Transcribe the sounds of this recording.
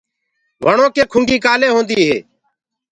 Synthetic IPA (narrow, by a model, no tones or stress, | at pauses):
ʋəɳõːkeːkʰʊŋɡiːkaːleːɦõːnd̪iːɦḛː